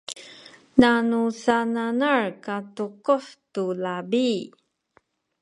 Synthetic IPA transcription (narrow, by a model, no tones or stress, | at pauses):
nanusananaɹkatuquftulabi